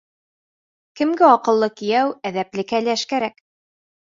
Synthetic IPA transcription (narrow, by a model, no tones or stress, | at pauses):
kɘ̆mɡɘɑqɤ̆lˠːɤkĭjæwæðæplɘ̆kælæʃkæɾæk